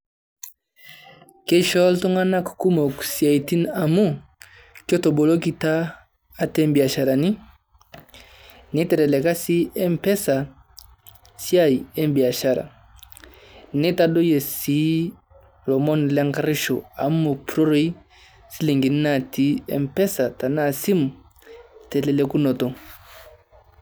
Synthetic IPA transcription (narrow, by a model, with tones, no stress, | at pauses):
kɛ˦ʃɔ˦ltɔ˦ŋa˦na˦ku˨ku˦mɔ˨ku̥˨sja˨i˨ti˦na˨mu˦ | kɔ˦tɔ˨bɔ˨lɔ˦k̬i˦taː˦ | tɛ˦mbi˨a˨ʃa˨ɾa˨ni˦ | ni˦tɛ˨ɾɛ˨lɛ˨ka˦si˦ɛ˦mpɛ˦sa˨ | sja˦˨i˨ɛ˦m˦bi˨a˨ʃa˦˨ɾa̰˨ | ni˦ta˦dɔ˦jɛ˨si˨˦ | lɔ˨mɔ˦n˨lɛ˦ŋka˦ɾi˦ʃɔ̰˨a̰˨˦m˦mo˨pɾɔ˦ɾɔ˦i˦ | si˦li˨ŋɡi˨n˦na˦˨ti˨˦ɛ̰˦˨m˦pɛ˦sa˨ta˨na˦˨si˦mu˨ | tɛ˨lɛ˨lɛ˨ku˦nɔ˨tɔ˨